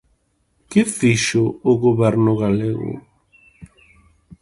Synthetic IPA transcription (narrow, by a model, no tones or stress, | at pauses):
kɪfiʃʊʊɣoβɛɾnʊɣaleɣʊ̰